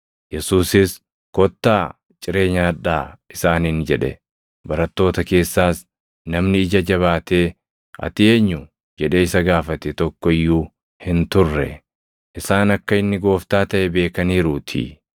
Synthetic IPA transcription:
jɛsuːsɪs | kɔt̪ːaː | t͡ʃʼɪɾe̞ːɲaːᶑaːʔɪsaːnɪnd͡ʒɛᶑɛ̰ | bɐɾɐt̪ːo̞ːt̪ɐke̞ːsːaːs | nɐmnɪɪd͡ʒɐd͡ʒɐβaːt̪e̞ː | ɐ̰t̪ɪe̞ːɲːʊ | d͡ʒɛᶑe̞ːɪsɐɡaːfɐt̪ɛt̪ɔkːɔɪjːuː | hɪnt̪ʊrːɛ | ʔɪsaːnɐkːɐɪnːɪɡo̞ːft̪aːt̪ɐʔɛbe̞ːkɐniːɾʊt̪ʰɪ̰

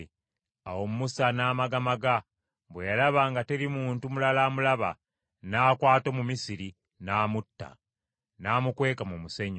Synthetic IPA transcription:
awo̞mumusanaːmaɡamaɡa | βwejalaβaːŋɡate̞ɾimuːntumulalamulaβa̰ | naːkwaːto̞mumisiɾi | naːmutːa̰ | naːmukwe̞ːkamumuseɲ

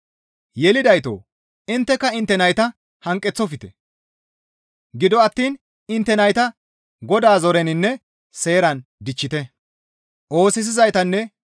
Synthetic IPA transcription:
jɛlɪd̪ɐjt̪o̰ː | ɪnt̪ːɛkːɐɪnt̪ːɛnɐjt̪ɐ | hɐŋkʼːɛt͡sːɔfɪt̪ɛ | ɡɪd̪ɔɐt̪ːiːn | ɪnt̪ːɛnɐjt̪ɐ | ɡɔd̪aːzɔɾɛnɪnːɛ | se̞ːɾɐnd̪ɪt͡ʃːɪt̪ɛ | ʔo̞ːsɪs̬ɪzɐjt̪ɐnːɛ

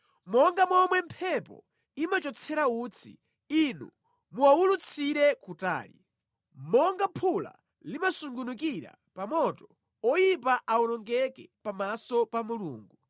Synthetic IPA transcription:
mɔŋɡamɔmwɛm̩pʰɛpɔ̰ | imat͡ʃɔt͡sʰɛɾauːt͡sʰḭ | inṵ | muwawulut͡sʰiɾɛkuta̰ːlḭ | mɔŋɡapʰula̰ | limasuŋɡunukiɾa̰ | pamɔtɔ | ɔjipaʔaulɔŋɡɛkɛpamasɔpamulṵːŋɡu

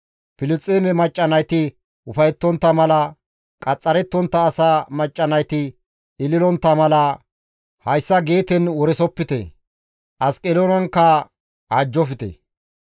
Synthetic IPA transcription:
pɪlɪt͡sʼːeːmɛmɐt͡ʃʼːɐnɐjt̪ɪ | ʔʊfɐjɛt̪ːɔnt̪ːɐmɐlɐ | kʼɐt͡sʼːɐɾɛt̪ːɔnt̪ːɐːsaːmɐt͡ʃʼːɐnɐjt̪ɪ | ɪlɪlɔnt̪ːɐmɐlɐ | hɐjsːɐɡe̞ːt̪ɛnwɔɾɛsɔpːɪt̪ɛ̰ | ʔɐskʼɛlonɐŋkːɐ | aːd͡ʒːɔfɪt̪ɛ̰

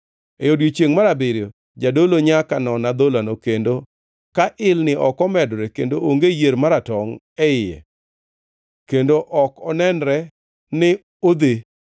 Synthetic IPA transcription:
ejodɡot͡ʃjeŋmaɾabeɾo | d͡ʒadoloɲakanɔnad̪olanokendo | kaʔɪlnɪʔɔkɔmɛdɾɛkendoʔoŋɡejeɾmaɾatɔŋ | ɛɪjɛ̰ | kendoʔɔkɔnɛnɾɛ | nɪ | od̪e

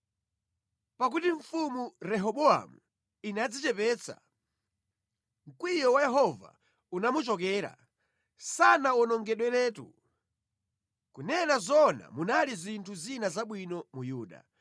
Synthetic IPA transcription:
pak̬utiɱfumuɾɛɦɔɓɔa̰mu | inad͡zit͡ʃɛpɛːt͡sʰa̰ | ŋ̩kwijɔwajɛɦɔva̰ | unamut͡ʃɔk̬ɛːɾa̰ | sanaɔnɔŋɡɛɗwɛlɛːtṵ | kunɛnazɔna̰munalizintʰuzinazaɓwinɔmujuːɗa̰

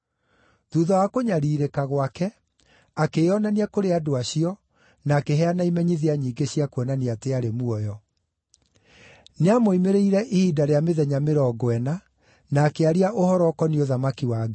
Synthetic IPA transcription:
ðuðawakoɲaɾiːɾekaɣwakɛ | akeɔnaniakoɾeadoaɕiɔ | naːkeɦɛanaimɛɲiðiaɲiːɡeɕiakwɛnaniateaɾemuɔjɔ | neamoimeɾeiɾɛʔihiːdaɾeameðɛɲameɾɔːɡwɛna | naːkeaɾiaʔohɔɾɔkɔnioðamakiwaɡɛ

